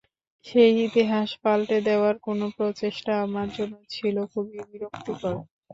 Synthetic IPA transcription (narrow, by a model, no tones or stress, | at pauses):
ʃejit̪iɦaʃpalʈed̪eoaɾkonopɾot͡ɕeʃʈaamaɾd͡ʑonːot͡ɕʰilokʰubibiɾokt̪ikɔɾe